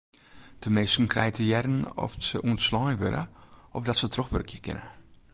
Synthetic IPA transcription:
d̥əmeːstn̩krɛjətʰəjɛɾn̩ɔ̰fsəʔuənslɔjʋø̰ɾə̰ʔɔfdɔtsətrɔxʋørkʰjəkʰɪ̰nə̰

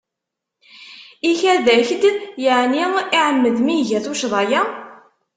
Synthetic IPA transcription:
içæðæçd̪jəʕniiʕəmːəðmiʝæθuʃðˤɑjæ

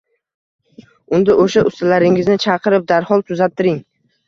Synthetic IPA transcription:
ʊnd̪aʔoʃaʔʊst̪alaɾɪŋɪznɪt͡ʃʰɑqʰɨɾɪp̚d̪aɾhɒlˠt̪ʰʊzat̪ʰːɪɾɪŋ

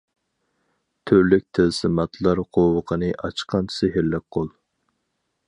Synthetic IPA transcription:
t̪ʰøɾlyk̚ʲt̪ʰɪzsɨmɑt̪ʰlˠɑɾqʰowəqʰənɨʔɑt͡ʃʰqʰɑnt͡ʃʰsɪɦɪɾlɛk̚ʲqʰolˠ

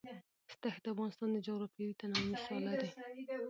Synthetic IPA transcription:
st̪axed̪əafɣɑnɪst̪ɑnd̪əd͡ʒaɣɾapiɾit̪anɑmisɑlad̪e

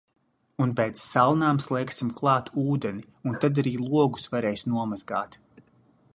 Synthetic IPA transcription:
unpɛjt̪sːalˠnaːmslˠɛksimklˠɑːt̪uːd̪ɛni | unt̪ad̪aɾiːlˠuɔɡu̥svaɾɛːjsnuɔmazɡaːt̪

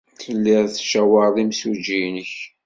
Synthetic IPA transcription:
θəlːiʁˤθʃæwəɾˤðˤimsud͡ʒinəç

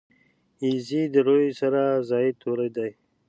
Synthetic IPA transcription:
izid̪əɾojsaɾazɑit̪ʰoɾajd̪aj

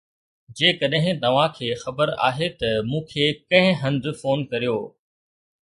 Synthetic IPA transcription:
d͡ʑeːkɐɗɦɪ̃t̪ɐʋãkʰeːxɐbəɾa̰ːɦet̪ɐmũːkʰeːkɐ̃ɦɪ̃ɦɐ̃nd̪foːnkɐɾijoː

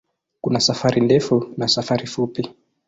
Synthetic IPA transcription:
kunasafaɾindɛfunasafaɾifupi

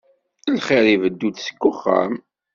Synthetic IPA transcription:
əlχɪɾˤivəd̪ːud̪sə̥kːʊχːə̰m

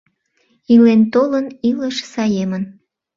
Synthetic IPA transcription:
ilent̪oləniləʃsɑjemən

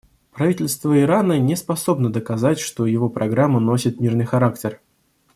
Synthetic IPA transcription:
pɾɐvitʲɪlʲst̪vəɪɾanənʲɪspɐso̞bnəd̪əkɐzatʲʂt̪o̞jɪvo̞pɾʔɐɡɾamːəno̞sʲɪt̪̚mʲirnɨjxɐɾaktʲɪr

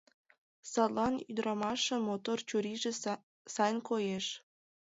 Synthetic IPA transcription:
sɑt̪lɑnyd̪ɾɑmɑʃĕmot̪ort͡ɕuɾiʒĕ | sɑjnkojeʃ

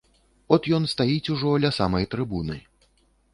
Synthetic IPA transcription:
ɔt̪jɔnst̪ajit͡sʲuʐɔlʲɐsamɐjt̪ɾɨbunɨ

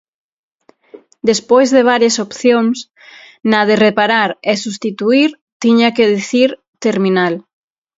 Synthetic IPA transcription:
d̪espojzðeβ̞aɾjasopθjoŋs | naðerepaɾaɾesust̪it̪uiɾ | t̪iɲakeðiθiɾ | t̪eɾminal

